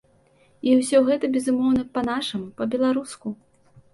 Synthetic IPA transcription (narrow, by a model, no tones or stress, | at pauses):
iwsʲɔɣɛt̪ɐbʲɛzumɔwnɐpɐn̪aʂɨmpɐbʲɛlˠaɾusku